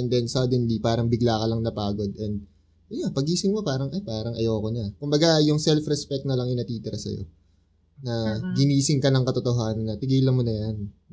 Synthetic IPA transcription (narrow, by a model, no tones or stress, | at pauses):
ʔɛnd̪ɛnsaːd̪ɛnlipaːɾɐŋbɪɡlaːkɐlɐŋnɐpaːɡo̞d̪ʔɛnd̪̚ | japɐɡiːsɪŋmopaːɾɐŋʔɐjpaːɾɐŋʔɐ̰joːkonɐkʊmbɐɡajʊŋsɛlfɾɛspɛk̚t̪̚nɐlɐŋɪnɐt̪iːt̪ɪɾɐsɐ̰jo̰ | nɐɡɪniːsɪŋkɐnɐŋkɐt̪ot̪oɦaːnɐnːɐt̪ɪɡiːlɐnmonɐjan